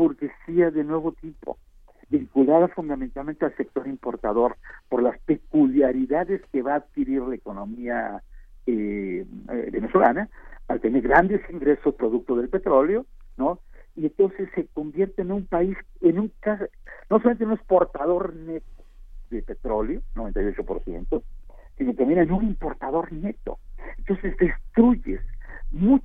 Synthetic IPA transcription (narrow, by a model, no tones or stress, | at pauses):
buɾkesiaðe̞nwe̞β̞o̞t̪ipo̰ | biŋkulaðafund̪ament̪alment̪ealse̞k̚t̪o̞ɾimpo̞ɾt̪aðo̞ɾpo̞ɾlaspe̞kuljaɾiðaðe̞ske̞βaːðkiɾiɾlaeko̞no̞mia | e | eβe̞neswo̞la̰naalt̪e̞neɾɣɾand̪e̞siŋɡɾe̞so̞spɾo̞ðuk̚t̪oðe̞lpe̞t̪ɾo̞ljo̞noient̪o̞nsesːe̞ko̞mbje̞ɾt̪eːnumpaisenuŋkasnosolamẽnenunespo̞ɾt̪aðo̞ɾnet̪o̥ðepe̞t̪ɾo̞ljonoβe̞nt̪ajo̞t͡ʃo̞po̞ɾsje̞̰nt̪osinoket̪ambjenenunimpo̞ɾt̪aðo̞ɾne̞t̪o̰ent̪o̞nse̞zd̪e̞st̪ɾuʝḛsmu